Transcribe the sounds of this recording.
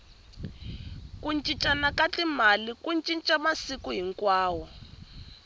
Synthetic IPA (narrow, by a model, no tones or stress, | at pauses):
kunt͡ʃʼit͡ʃʼanakat͡ɬimalikunt͡ʃʼint͡ʃʼamasikuɦiŋkwaːwɔ